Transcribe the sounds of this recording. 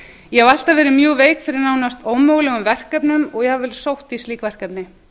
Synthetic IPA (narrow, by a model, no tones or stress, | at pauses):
jɛhɛval̥t̪avɛːɾɪmjœːveːjkfɪɾɪɾnaːwnast̪oːwmoːɣlɛɣʏmvɛr̥kœpnʏmɔɣjɛhavɛl̥sowht̪ist̪liːkvɛr̥kɛpnɪ